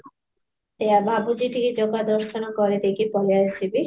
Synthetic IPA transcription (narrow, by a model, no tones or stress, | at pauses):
eabʱabud͡ʑiʈiked͡ʑoɡad̪ɔɾʃonokɔɾed̪ekipɔleaesibi